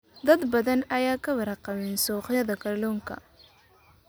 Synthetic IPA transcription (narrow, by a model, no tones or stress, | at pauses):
d̪ɐd̪bɐðɐnɐjaːkʰɐwɐɾɐqɑmɛnsɔːqjɐðɐkʰɐrlɔːŋkʰɐ̰